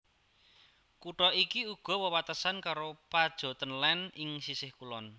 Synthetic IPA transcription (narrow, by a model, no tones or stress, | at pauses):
kuʈɔʔikiuɡ̥ɔ̤wəwat̪əsankaɾopad̥ʒ̥ɔ̤t̪ənlɛnɪŋsisɪhkulɔn